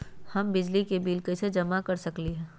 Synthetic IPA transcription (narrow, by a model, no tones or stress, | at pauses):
hɐmbɪd͡ʒlikebiːlkəsed͡ʒɐmakɐɾsɐkliɦɛ̃ː